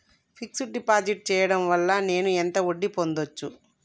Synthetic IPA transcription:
pʰiksuɖipaːd͡ʒiʈ̚t͡ʃɛːjɐɽɐmʋɐlːɐne̞ːnuent̪ɐoɖːipo̞nd̪ot͡ʃːu

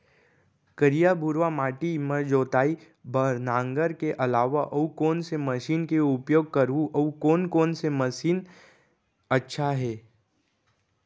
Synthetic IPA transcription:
kəɾijabʱuɾʋamaːʈiməɾd͡ʒoːt̪aːi | bəɾnãːŋɡəɾkeʔɐlaːʋaʔɐukoːnseməʃiːnkeʊpjoːɡ̚kəɾuʔɐukoːnkoːnseməʃiːn | ɐtːʃʰaɦɛː

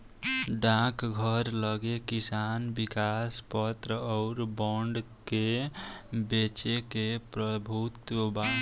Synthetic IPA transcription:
ɖãkɡʱəɾləɡekisanbikaspət̪ɾəɔʊɾbɔɳɖ | ke | bet͡ʃekepɾəbʱut̪wəba

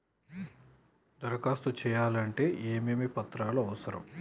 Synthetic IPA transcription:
d̪ɐɾɐkaːst̪ut͡ʃɛːjaːlɐɳʈe̞ːʔeːmeːmipɐt̪ːɾaːloɐʋɐsɐɾɐ̰m

